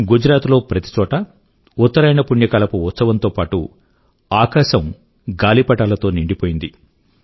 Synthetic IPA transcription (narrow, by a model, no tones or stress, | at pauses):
ɡud͡ʒɾaːt̪lo̞ːpɾɐt̪i̥t͡ʃɔːʈɐ | ut̪ːɐɾɐjnɐpuɳjɐkɐlɐpuut̪sɐʋɐnt̪o̞ːpaːʈu | aːkaːʃɐm | ɡaːlipɐʈaːlɐt̪o̞ːniɳɖipoːjind̪i